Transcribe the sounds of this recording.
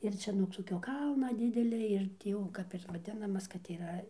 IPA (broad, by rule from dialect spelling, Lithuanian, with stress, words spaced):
ɪr ˈt͡ʃʲɛ nuɔk toːˈkʲoː ˈkɐlˠnɐ ˈdʲɪdʲɛlʲɛ ɪr tʲiː ˈjɛʊ ˈkɐp ɪr ʋɐˈdʲɪnɐmɐs kɐt iːˈrɐ